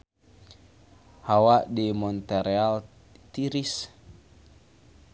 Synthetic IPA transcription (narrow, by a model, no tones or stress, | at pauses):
hawaʔdimɔnt̪ɛɾeal | t̪iɾis